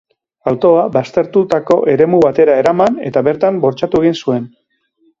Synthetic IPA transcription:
awt̪o̞aβast̪e̞ɾt̪ut̪ako̞ʔe̞ɾe̞muβat̪e̞ɾae̞ɾamane̞̰t̪aβe̞ɾt̪ambo̞ɾt͡ʃat̪ue̞ɣ̞insue̞n

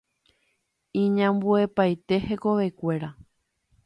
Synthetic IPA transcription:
ĩɲãmbue̞pajt̪e̞he̞ko̞ʋe̞kʷe̞ɾa

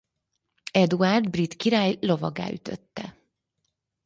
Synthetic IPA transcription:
ɛd̪uard̪brit̪kiɾaːjlo̞vɒɡa̰ːyt̪ø̰t̪ːɛ

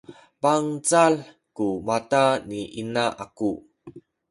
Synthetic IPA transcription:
paŋt͡sal | kumataniʔinaʔaku

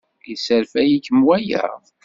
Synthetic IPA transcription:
jəsəɾfæjikəmwæjæ̰

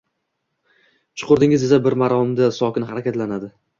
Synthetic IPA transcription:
t͡ʃʰʊ̥qʰʊɾd̪ɪŋɪzɪzabɪɾmaɾɒmd̪asɒkʲɪnhaɾakʲat̪lanad̪ɪ

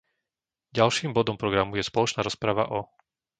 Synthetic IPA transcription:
ɟalʃiːmbɔd̪ɔmpɾɔɡɾamujɛspɔlɔt͡ʃnaːɾɔspɾaʋaʔɔ

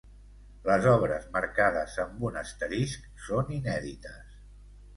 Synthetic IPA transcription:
ləzɔβ̞ɾəzməɾkaðəzəmbunəst̪əɾisk | soninɛðit̪əs

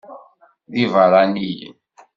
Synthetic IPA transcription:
ðivaɾˤanij̰

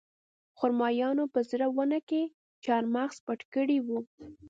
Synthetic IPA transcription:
xʊɾmɑjɑnopəzɾawanake | t͡ʃɑɾmaɣspaʈkəɽiwu

